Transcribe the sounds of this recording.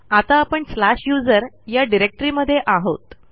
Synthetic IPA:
at̪aːpəɳslaɕjud͡zəɾ | jaɖiɾek̚ʈɾiməd̪ʱːjeʔaɦo̰t̪

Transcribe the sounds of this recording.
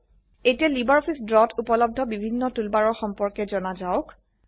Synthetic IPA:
etijalibaɹɔpʰisdɹɔtʰupɔlɔb̚dʱɔbibʱinːɔtulbaɹɔɹxɔmpɔɹkɛzɔnazaʊk

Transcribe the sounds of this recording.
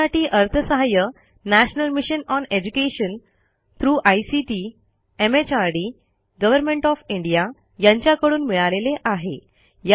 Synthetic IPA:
aʈiːʔəɾt̪ʰəsəɦajə | næɕnəlmiɕənɔned͡ʑukeɕən | t̪ʰɾuːʔajsiʈiː | emet͡ɕaɾɖi | ɡəʋəɾmẽɳʈɔfiɳɖija | jãɲt͡ɕjakəɽuːnmiɭaleleʔaɦe | ja

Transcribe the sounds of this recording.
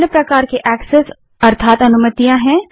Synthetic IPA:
nəpɾɐkaːɾkeʔɛːkses | ɐɾt̪ʰaːt̪ɐnʊmət̪ijãɦɛ̃

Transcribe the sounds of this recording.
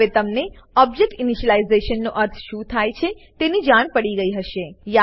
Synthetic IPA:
et̪əmne | ɔb̚d͡ʒek̚ʈɪniʃəlaizeʃənːoʔəɾt̪ʰʃũt̪ʰajt͡ʃʰe | t̪enid͡ʒaɳ̃pəɽiɡəiɦəʃeja

